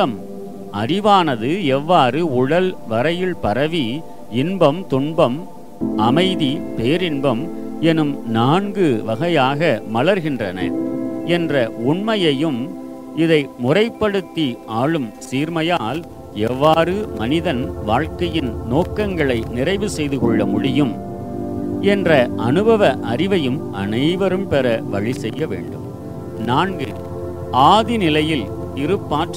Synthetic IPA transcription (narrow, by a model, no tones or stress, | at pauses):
ɐm | ɐɾɪʋaːnɐðɯɛʋːaːrɯʊɽɐlʋɐɾɐjɪlpɐɾɐʋi | ɪnbɐmt̪ʊɳbɐm | ʔɐmɐɪðipeːɾɪnbɐm | ɛnɯmnaːɳɡɯʋɐɣɐjaːɣɐmɐɭɐɾɣɪndrɐnɐ̰ɛndrɐʊɳmɐjɐjɯm | ɪðɐɪmʊrɐɪpːɐɽɯt̪ːiaːɭɯmsiːɾmɐjaːl | ɛʋːaːɾɯmɐnɪðɐnʋaːɻkɐjɪnnoːkːɐŋɡɐɭɐɪnɪrɐɪʋɯsɛjðɯkɔɭːɐmʊɽɪjɯm | ɛndrɐʔɐnɯbɐʋɐʔɐɾɪʋɐjɯmʔɐ̰nɐɪʋɐɾɯmpɛrɐʋɐɻisɛjːɐʋḛːɳɖɯm | naːŋɡɯ | ʔaːðinɪlɐjɪl | ɪɾɯpːaːʈ